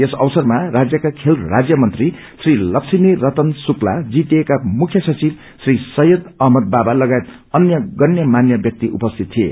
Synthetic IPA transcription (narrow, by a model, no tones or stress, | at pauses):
esʌwsʌrmarad͡zjʌkakʰelrad͡zjʌmʌnt̪ri | srilʌksimirʌt̪ʌnsuklad͡zit̪ekamukʰjʌsʌt͡sib | srisʌjud̪ʌɦmʌd̪̚babalʌɡajet̪ | ʌnjʌɡʌnjʌmanjʌbjʌk̚t̪iʔṵpʌst̪ʰit̪̚t̪ːʰiḛ